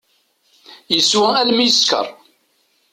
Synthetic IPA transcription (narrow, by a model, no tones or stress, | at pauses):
jəswæælmijəskə̰ɾˤ